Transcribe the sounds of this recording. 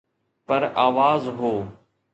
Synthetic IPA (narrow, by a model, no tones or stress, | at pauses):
pɐɾaːʋaːzɦoː